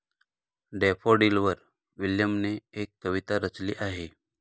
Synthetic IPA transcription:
ɖepʰoɖilʋəɾ | ʋiljəmneːkːəʋit̪aɾət͡sliːʔaɦe

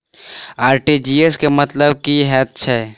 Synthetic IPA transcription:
aːɾʈid͡ʒieskemɐt̪ləbkiɦɛːt̪̚t͡ʃʰɛː

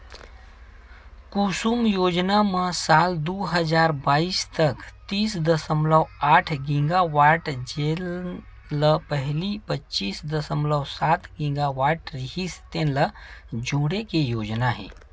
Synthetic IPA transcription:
kusumjoːd͡ʒnaməsaːld̪uːɦəd͡ʒaːɾbaːist̪əkt̪iːsd̪əsəmləwaːʈʰɡĩŋɡaʋaʈd͡ʒel | ləpəɦlipətːt͡ʃiːsd̪əsəmləwsaːt̪ɡĩŋɡaʋaːʈɾiɦist̪ẽnləd͡ʒoɽekejoːd͡ʒnaɦɛ̰ː

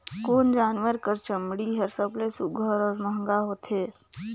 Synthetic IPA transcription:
koːnd͡ʒaːnwəɾkəɾt͡ʃəmɽiɦəɾsəblesʊɡʱəɾɔːɾməɦŋɡaɦoːt̪ɦeː

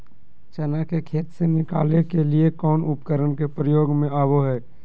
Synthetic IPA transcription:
t͡ʃɛnakekʰeːt̪senɪka̰ːlekeliekɔːnʊpkəɾənkepɾəjoːɡmẽaːboɦɛː

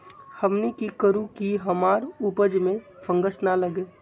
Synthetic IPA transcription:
həmnikikəɾũkiɦəmaːɾupəd͡ʒmẽfʰə̃ŋɡəsnaləɡeː

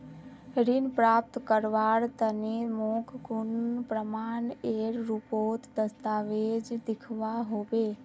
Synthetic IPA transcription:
ɾinpɾap̚t̪kəɾʋaɾt̪ənemokʰɡunpɾəmaneɾɾupot̪d̪əst̪aːʋed͡ʒd̪ɪkʰʋaɦobe

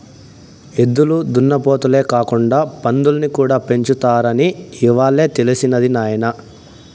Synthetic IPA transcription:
ed̪ːulud̪unːɐpoːt̪ule̞ːkaːkuɳɖaːpɐnd̪ulɐnikuːɽaːpe̞ɲt͡ʃut̪aːɾɐniiʋaːɭːe̞ːt̪e̞lisinɐd̪inaːjɐnɐ

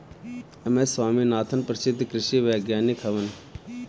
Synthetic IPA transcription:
ɐmesʋaːminaːt̪ʰənpɾɐʃid̪kɾɪʃiʋeːɡjaːnikʰɐʋɐn

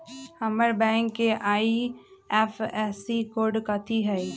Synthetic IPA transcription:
hɐməɾbɛ̃ːŋkːeʔaːiɛfɛsikoːɾɖkat̪ʰiɦɛ

